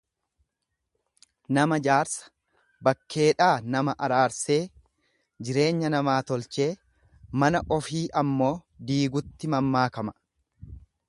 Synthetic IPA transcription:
nɐmɐd͡ʒaːɾsɐ̥ | bɐkːe̞ːᶑaːnɐmɐʔɐɾaːɾse̞ː | d͡ʒɪɾe̞ːɲːɐnɐmaːt̪ɔlt͡ʃe̞ː | mɐnɐʔɔfiːʔɐmːo̞ːd̪iːɡʊt̪ːɪmɐmːaːkɐmɐ̥

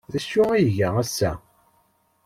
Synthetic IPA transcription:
ðæʃːʊæjʝææsːæ

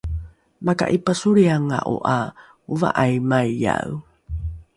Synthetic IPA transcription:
maka̰ʔipəsuɾiaŋa̰ʔṵʔa | uva̰ʔajmajːa̰w

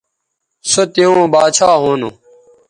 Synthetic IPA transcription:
sot̪iõːbaːt͡ɕʰaːɦoːnu

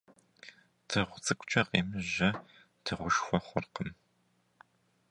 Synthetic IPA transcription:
tʰɨʁʷʊt͡sʼɨkʷʊt͡ʃʼɐqʼḛːmɨʑɐ | tʰɨʁʷʊʃxʷɔχʷʊrqəm

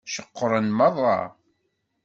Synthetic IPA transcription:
ʃəqːəɾˤənmɑðˤɑ̰

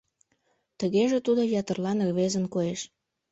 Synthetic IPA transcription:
t̪əɣeʒet̪ud̪ojɑt̪ərlɑnərβezənkoeʃ

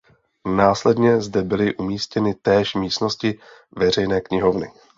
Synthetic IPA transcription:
naːslɛdɲɛzdɛbɪlɪʔumiːscɛnɪt̪ɛːʃmiːst̪no̞scɪ | vɛr̝ɛjnɛːkɲɪɦo̞vnɪ

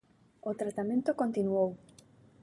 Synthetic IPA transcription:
ot̪ɾat̪amẽnt̪okont̪inuow

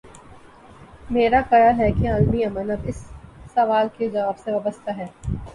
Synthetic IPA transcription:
meːɾakɐɾaɦɛkeaːlmiɐmənɐbɪsːɐʋaːlked͡ʒɐʋaːbseʋabəst̪aɦɛː

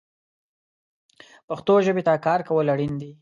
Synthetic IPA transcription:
pəxt̪oʒəbet̪akɑɾkawəlaɽind̪i

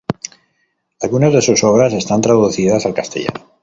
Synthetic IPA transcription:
alɣunazðe̞susoβ̞ɾase̞st̪ant̪ɾaðuθiðasalkast̪e̞̰ʎa̰no

